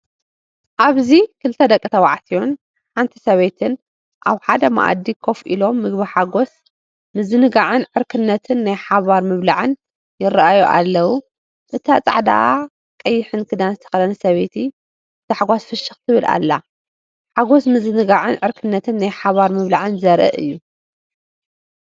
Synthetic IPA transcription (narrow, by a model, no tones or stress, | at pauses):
ʔaβzikʰɨlt̪ʰɐd̪ɐkʼːit̪ʰɐwaʕt̪ʰijon | ħant̪ʰi̥sɐβet̪ʰɨn | ʔa̰βħad̪ɐma̰ʔa̰d̪ːikʰo̞fʔḭlo̞mːɨɡbiħaɡos | nɨzɨnɨɡaʕɨnʕɨɾkʰɨnːɐt̪ʰɨnːajħaβaɾmɨβlaʕɨn | jɪrɐʔajuʔa̰lːɐwu | ʔɨt̪ʰat͡sʼaʕd̪a̰ʔa | kʼɐjːɪħɨnkʰɨd̪anzɨt̪ʰɐ̥xɐlɐnɐsɐβet̪ʰi | ɨt̪ɨħaɡʷasfɨʃɨxt̪ʰɨβɨlʔa̰lːa | ħaɡo̞snɨzɨnɨɡaʕɨnʕɨɾkʰɨnːɐt̪ʰɨnːajħaβaɾmɨβlaʕɨnzɐɾʔɨ̰ʔɨ̰jːu